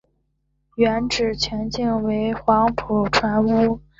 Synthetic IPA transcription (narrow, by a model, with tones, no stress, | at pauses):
ɥɛ˧˥nʈ͡ʂɻ̩˨˩t͡ɕʰɥɛ˧˥nt͡ɕi˥˩ŋwe˧˥ɪxwɑ˧˥ŋpʰu˨˩ʈ͡ʂʰwa˧˥nu˥